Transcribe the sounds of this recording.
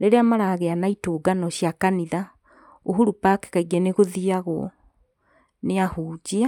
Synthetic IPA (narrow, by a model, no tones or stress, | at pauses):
ɾeɾeamaɾaɣeanaitoːɡanɔɕjakaniða | oɦuɾupake̥kaiɡɛneɣoðiaɣɔ | neahuːd͡ʑia